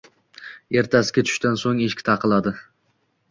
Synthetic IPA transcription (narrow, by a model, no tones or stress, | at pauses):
e̞ɾt̪ʰasɪ̥ɡʲat̪ʰʊ̥ʃt̪ansoŋeʃkʲt̪ʰaqʰɨlˠad̪ɪ